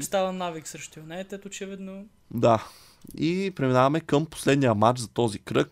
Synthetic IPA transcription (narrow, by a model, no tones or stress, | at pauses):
st̪avənaviksɾɛʃt̪ojonɛt̪ɛt̪ot͡ʃɛvid̪no | d̪a | ipɾɛminavɐmɛkəmpo̥slɛd̪nijəmat͡ʃzɐt̪ɔzikɾɤk̚